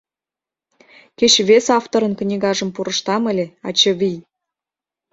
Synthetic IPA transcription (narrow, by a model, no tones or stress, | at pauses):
ket͡ɕβesɑft̪oɾə̆nknʲiɣɑʒə̆mpuɾə̆ʃt̪ɑmə̆lʲeɑ̰t͡ɕɤβʲij